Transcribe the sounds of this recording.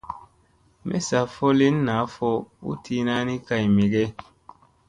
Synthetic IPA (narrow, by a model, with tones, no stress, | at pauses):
mʔɛ̰˦sa˨fɔ˦li˦nːa˨˦fɔ˦ṵ˦tʰi˦na˦ni˦ka˨jmi˨ɡɛ˦